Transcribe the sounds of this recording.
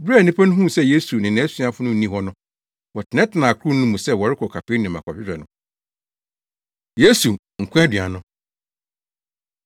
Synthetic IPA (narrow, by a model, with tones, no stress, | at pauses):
bɾa˦˨nĩ˦pʰæ˦nʊ̃˦ɦũ˦˨sɛ˦je˦su˨nɪ̃˨nɛ̃˦si˦a˦fʊ˦nʊ̃˦n̩˨˦ĩ˦hɔ˦nʊ̃˦ | wɔ˨tʰɪ˨nɛ̃˦tʰɪ˨nã˨kʰʊ˦ɾʊ˦nũ˦mũ˨sɛ˦wɔ˨ɾɪ˦kʰɔ˨kʰa˨pʰe˦nɪ̃˨mã˨kʰɔ˨pɪ˦ɾɛ˨nʊ̃˦ | je˦su˨ | ŋ̩˨kʷʰɛ˦dɥa̰˨nʊ̃˦